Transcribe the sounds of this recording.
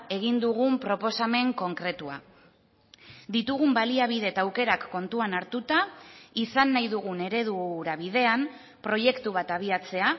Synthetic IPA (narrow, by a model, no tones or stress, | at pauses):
e̞ɣ̞ind̪uɣumpɾo̞po̞same̞ŋko̞ŋkɾe̞t̪ua̰ | d̪it̪uɣ̞umbaliaβ̞ið̞e̞t̪awke̞ɾakːo̞nt̪uanaɾt̪ut̪aisanːajðuɣ̞une̞ɾe̞ð̞uɾaβið̞e̞am | pɾo̞je̞kt̪uβ̞at̪aβ̞iat͡se̞a